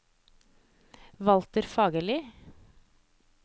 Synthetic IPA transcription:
ʋɑlt̪əɾfɑːɡəlɪ

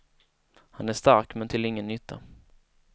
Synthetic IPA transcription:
hanæʂt̪aɾkmɛnt̪ʰɪlɪŋːənːʏt̪ʰːa̰

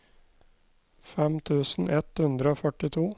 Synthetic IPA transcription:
fɛmt̪ʰʉːsn̩ʔɛt̪hʉnd̪ɾəoːfœʈɪt̪ʰuː

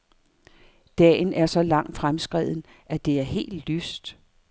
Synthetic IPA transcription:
d̥ɛ̰ːnæɐsɒ̽lɑ̈ŋ̰d̥fʁamsɡ̥ʁḭð̞̰ˠn̩ | ʔæd̥e̝æɐɦe̝̰ːld̥lysd̥

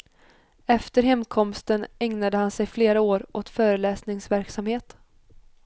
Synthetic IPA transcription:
ɛft̪əɾɦɛmkʰɔmst̪ənɛŋnad̪əhansɛjfleːɾaoːɾʔot̪fœːɾəlɛːsnɪŋsvæɾksamheːt̪

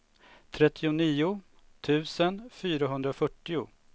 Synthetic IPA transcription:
t̪ʰɾɛt̪ʰːɪʊniːʊ | t̪ʰʉ̟ːsənfyːɾaɦɵnd̪ɾafœʈːɪʊ̰

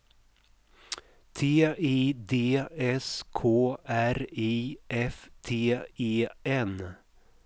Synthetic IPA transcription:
t̪ʰeːʔiːd̪eːɛskʰoːʔæɾiːʔɛft̪ʰeːeːʔɛn

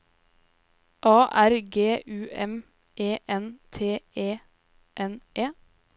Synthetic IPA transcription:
ʔɑːʔæɾɡeːʔʉːʔɛm | ʔeːʔɛnt̪ʰeːʔeː | ʔɛnʔeː

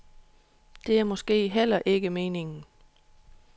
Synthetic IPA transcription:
d̥e̝æɐmɒ̽sɡ̥e̝̰ːɦel̰ɐʔe̝ɡ̥əme̝ːne̝ŋn̩

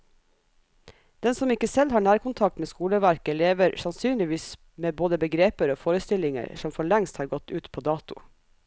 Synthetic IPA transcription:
d̪̥ɛnsɔmɪkəsɛlhɑːɳæːɾkʊnt̪ʰɑk̚t̪meːskuːləʋæɾkəleːʋəɾsɑnsyːnlɪʋiːs | meːboːd̪əbəɡɾeːpəɾoːfoːɾəst̪ɪlɪŋə̰ɾsɔmfɔɭɛŋst̪hɑːɾɡɔt̪ʉːt̪pʰoːd̪ɑːt̪ʊ̰

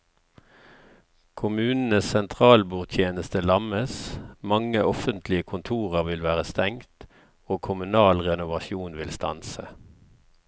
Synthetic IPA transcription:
kʰʊmʉːnn̩əsɛnt̪ʰʁɑːlbuːʁt̪ʰjeːnəst̪əlɑməsmɑŋəʔɔfənt̪ʰlɪəkʰʊnt̪ʰuːʁəʁʋɪlʋæːʁəst̪ɛŋt̪ | oːkʰʊmʉnɑːlʁɛnʊʋɑʃjuːnʋɪlst̪ɑ̰nsə

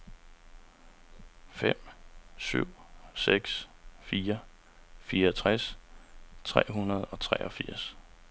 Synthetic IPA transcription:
fem̰sy̰ʊ̰seɡ̥sfiːɐ | fiːɐɒt͡sʰʁæs | t͡sʰʁɛ̰ːɦunɐðˠɒ̽t͡sʰʁɛ̰ːʔɒ̽fiɐ̰s

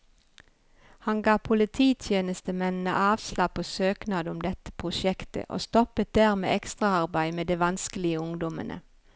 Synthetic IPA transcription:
hɑnɡɑːpʰʊlɪt̪ʰiːt̪ʰjeːnəst̪əmɛnn̩ə̰ʔɑːʋslɑːpʰoːsøːknɑːd̪əʊmd̪ɛt̪ə̥pʰʁʊʃɛkt̪ə̰ʔo̰ːst̪ɔpət̪̚d̪æːʁmḛːʔɛkst̪ʁɑɑʁbæɪmeːd̪eʋɑnskəlɪəʊŋd̪ɔmə̰nʔə̰

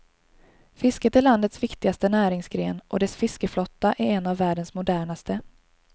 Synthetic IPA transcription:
fɪskət̪æɭand̪ət̪svɪkt̪ɪɡast̪ənæːɾɪŋsɡɾeːnʔɔd̪ɛsfɪskəflɔt̪ːaʔæɾɛnːavːæːɖənsmʊd̪æːɳast̪ə

